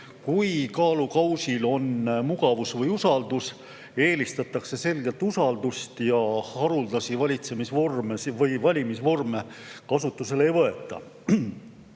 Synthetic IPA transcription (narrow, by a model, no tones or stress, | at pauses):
kujkɑːlukɑwsilo̞nmuɡ̥ɑvusvɤjusɑld̪us | e̞ːlist̪ɑt̪ːˑɑkse̞se̞lɡ̥e̞lt̪usɑld̪ust̪jɑhɑɾuld̪̥ɑsivɑlʲit̪se̞misvo̞rmesvɤjvɑlʲimisvo̞rme̞kɑsut̪ːˑuse̞le̞jvɤe̞t̪ːˑɑ̰